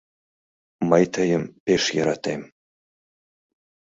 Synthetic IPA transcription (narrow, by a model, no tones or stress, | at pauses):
mɐjtʰɐjɪmpʰʲeʂjɐɾatʰejm